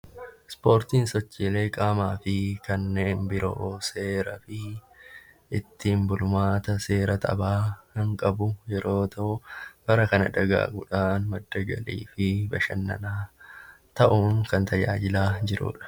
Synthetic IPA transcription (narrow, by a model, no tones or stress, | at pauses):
spo̞ːɾt̪iːnsɔt͡ʃːile̞ːkʼaːmaːfɪkɐnːe̞ːnbɪɾo̰ːse̞ːɾɐfɪ | ɪt̪ːiːmbʊlʊmaːt̪ɐse̞ːɾɐt̪ʰʼɐ̰baːkɐŋkʼɐbʊjɛɾo̞ːt̪ɐʔʊb̥ɐɾɐkɐnɐ̰d̪ɐɡa̰ːɡʊᶑaːnmɐd̪ːɐɡɐ̰lḭːfɪbɐʃɐ̰nːɐ̰naː | t̪ɐʔuːŋkɐnt̪ʰɐd͡ʒa̰ːd͡ʒɪlaːd͡ʒɪɾṵːᶑɐ̥